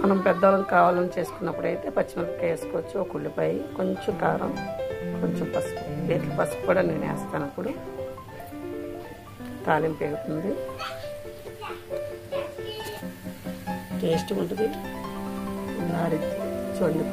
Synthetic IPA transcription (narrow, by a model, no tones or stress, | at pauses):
mɐnɐmpɛd̪ːɐːlɐmkaːʋaːlɐnit͡ʃe̞ːsu̥kunːɐpːuɽɐjit̪e̞ːpɐt͡ʃːimɐlpɐkeːsu̥kɔʋɐt͡ʃːuokuɭːupɐjkoɲt͡ʃemkaːɾɐ̰mkoɲt͡ʃempɐskuʋeːt̪lɐpɐskɔːɽaːniinɛ̰ːst̪aːnɐpːuɽu | t̪aːlimpeːɾut̪und̪i | ʈeːsʈuɳʈud̪i | lːaːɾitːt͡ʃoɽnd̪i